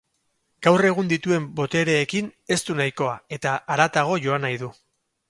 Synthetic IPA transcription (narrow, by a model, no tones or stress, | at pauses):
ɡ̥awre̞ɣ̞und̪it̪ue̞mbo̞t̪e̞ɾe̞ːkine̞st̪unajko̞ae̞t̪aʔaɾat̪aɣ̞o̞ʝo̞anajðu